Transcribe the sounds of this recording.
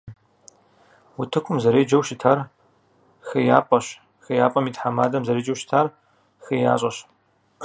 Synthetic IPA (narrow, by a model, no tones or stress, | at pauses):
wʊtʰɨkʷʰʊmzɐɾeːd͡ʒɐwʃɪtʰaːr | xɐjaːpʼɐɕ | xɐjaːpʼɐmiːtħamaːdɐmzɐɾeːd͡ʒɐwʃɪ̥tʰaːr | xɐjaːɕʼɐɕ